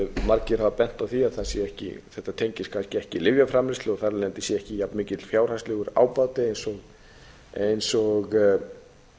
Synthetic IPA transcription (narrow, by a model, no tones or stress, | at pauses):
maɾcɪɾ̥havapɛn̥t̪awθiaðθasjɛɛhcɪ̰θɛht̪at̪ʰejɲcɪskʰanscɪɛhcɪlɪvjafɾaːmɪst̪lɪɔθaɾlɛant̪ɪsjɛɛhcɪjapnmɪːcɪt̪ʰːɪlfjaːwr̥hast̪lɪɣʏɾa̰ːwpaːwt̪ɪejnsɔɣ | ejnsɔɣ